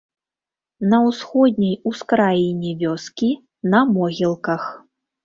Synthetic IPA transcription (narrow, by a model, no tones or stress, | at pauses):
nɐwsxɔd̪̚ʲnʲɐjuskɾajinʲɛvʲɔskʲi | nɐmɔɣʲilˠkɐx